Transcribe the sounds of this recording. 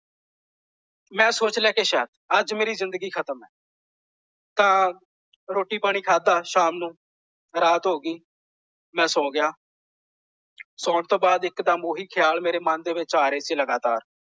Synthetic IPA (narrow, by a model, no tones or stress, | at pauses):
mɛ̃ːsoːt͡ʃlɛːkeːʃɛːt̪əd͡ʒmeːɾiːzɪnd̪əɡiːkʰət̪əmɛː | t̪ãː | ɾoːʈiːpaːɽ̃iːkʰaːd̪aːʃaːmnũː | ɾaːt̪ɦoːɡiː | mɛ̃ːsɔ̃ːɡɪjaː | sɔːɳt̪oːbaːd̪ɪkd̪aːmoːɦiːkʰɪjaːlmeːɾeːmənd̪eːʋɪt͡ʃaːɾeːsiːləɡaːt̪a̰ːɾ